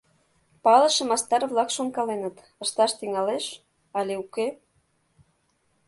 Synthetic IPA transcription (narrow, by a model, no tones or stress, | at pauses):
pɑlə̆ʃĕmɑst̪ɑrβlɑkʃoŋkɑlenə̆t̪ | ə̆ʃt̪ɑʃt̪iŋɑleʃ | ɑlʲeuke